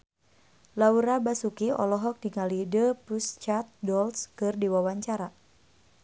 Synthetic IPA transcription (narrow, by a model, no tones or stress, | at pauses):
lauɾabasukiɔ̰lɔɦɔk̚diŋalidəpust͡ʃat̪̚dɔlskɨrdiwawaɲt͡ʃaɾa